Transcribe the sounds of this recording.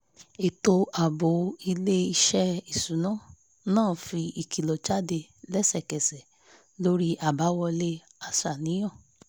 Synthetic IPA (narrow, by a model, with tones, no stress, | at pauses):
e˨to˧a˨bo˨˦i˧le˦i˧ʃɛ˦i˦˨sũ˨˦nã˦˨ | nãː˦˨fi˧i˨ki˨lɔ˨t͡ʃa˦de˧lɛ˦sɛ˦˨kɛ˨sɛ˨ | lo˦ɾi˦ʔa˨ba˨˦wɔ˧le˦ | a˧sa˨nĩ˨˦j̃ɔ̃˦˨